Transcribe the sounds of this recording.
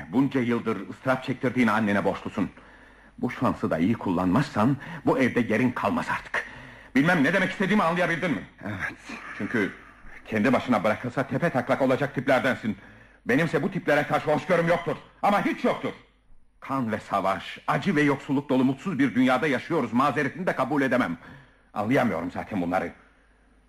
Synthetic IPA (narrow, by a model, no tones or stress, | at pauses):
bund͡ʒajɯlˠd̪ɯɾɯst̪ɾap̚t͡ʃʰɛc̚t̪ʰiɾd̪iːnanːenɛbo̞ʃlˠusun | buʃfansɯd̪a̰ijikʰulˠːanmasːanbuɛvd̪ɛje̞ɾinkʰalˠmasaɾt̪ʰɯ̥kbilʲmæmnɛd̪e̞mɛcist̪ʰeiːmianlˠɯjabilʲd̪inmiɛvɛt̪t͡ʃʰyɲcʰy | cʰɛnd̪ibaʃɯnabɯɾakʰɯlˠsat̪ʰɛpʰɛt̪ʰaklˠakolˠad͡ʒak̚t̪ʰiplʲæɾd̪ænsin | be̞nimsɛbut̪ʰiplʲeɾɛkʰaɾʃɯoʃɡøɾumjo̞k̚t̪ʰuɾ̥amaɦit͡ʃjo̞k̚t̪ʰuɾ̥ | kʰanvɛsavaʃad͡ʒɯvɛjo̞ksulˠːuk̚d̪o̞lˠumut̪suzbiɾd̪ynjaːd̪ajaʃɯjo̞ɾuzmaːzeɾet̪ʰinid̪ɛkʰabuːlʲe̞d̪e̞mæm | a̰nlˠɯjamɯjo̞ɾumza̰ːt̪ʰɛnbunlˠa̰ɾɯ